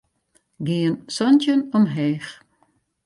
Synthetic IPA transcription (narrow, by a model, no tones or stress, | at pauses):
ɡiənsɔntənɔmɦɛːx